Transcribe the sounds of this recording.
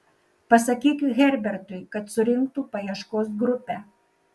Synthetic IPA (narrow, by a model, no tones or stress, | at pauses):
pɐsɐkʲiːkʲʊɣʲɛɾʲbʲɛɾt̪ʊɪkɐt̪sʊɾʲɪŋk̚t̪uːpɐjiɛʃkoːs̬ɡɾʊpʲɛ